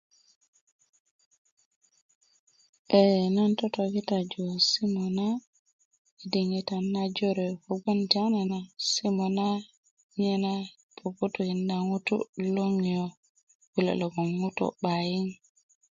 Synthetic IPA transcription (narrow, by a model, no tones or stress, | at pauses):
ʔɛnantɔtoɡitad͡ʒɔsimɔna | idiŋitanad͡ʒɔɾɛkɔɡɔntiananasimɔna | ɲɛna | pʰoputuhindaŋutṵloŋijɔ | wula̰lɔɡɔnŋutɔ̰ɓajin